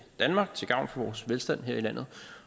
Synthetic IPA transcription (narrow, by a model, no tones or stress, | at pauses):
d̥ænmɑ̈ːɡ̥̚t͡sʰe̝ɡ̥ɑ̈ʊ̰nfɒ̽ʋɒːsʋelsd̥æn̰ɦeɐ̰ilæn̰ð̩ˠ